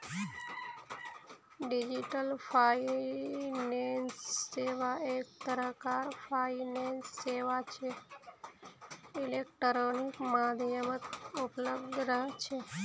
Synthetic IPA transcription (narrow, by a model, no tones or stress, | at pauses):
ɖid͡ʒiʈəlpʰai | nensːeʋaekt̪əɾəkaɾpʰainensːeʋat͡ʃʰe | ilek̚ʈəɾonikmãd̪ʱjəmət̪upləbd̪ʱɾəɦt͡ʃʰe